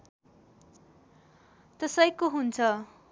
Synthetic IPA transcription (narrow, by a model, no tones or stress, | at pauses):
t̪ʌsʌjkoɦunt͡sʰʌ